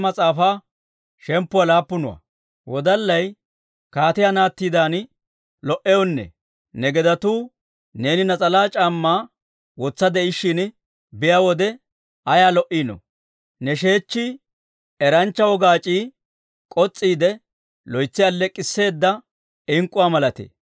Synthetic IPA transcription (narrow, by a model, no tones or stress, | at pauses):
mɐt͡sʼaːfaː | ʃɛmpːʊwalaːpːʊnʊwɐ̰ | wɔd̪ɐlːɐj | kaːt̪ɪjanaːt̪ːiːd̪aːn | lɔʔɛjɔnːɛ̰ | nɛɡɛd̪ɐt̪uː | ne̞ːnɪnɐt͡sʼɐlaːt͡ʃʼaːmːaː | wɔt͡sːɐd̪ɛɪʃːɪn | bɪjawɔd̪ɛ | ɐjaːlɔʔiːnɔ̰ | nɛʃe̞ːt͡ʃːi | ɛɾɐnt͡ʃːɐwɔɡaːt͡ʃʼiː | kʼɔt͡sʼːiːd̪ɛ | lɔjt͡sːɪɐlːɛkʼːɪsːe̞ːd̪ːɐ | ɪŋkʼːʊwaːmɐlɐt̪ḛː